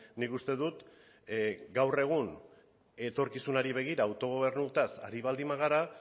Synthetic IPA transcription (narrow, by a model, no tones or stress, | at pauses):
nikust̪e̞ðut̪ | ɡawre̞ɣ̞un | e̞t̪o̞ɾkisunaɾiβ̞e̞ɣ̞iɾaːwt̪o̞ɣ̞o̞β̞e̞ɾnut̪asa̰ɾiβ̞ald̪imaɣ̞aɾa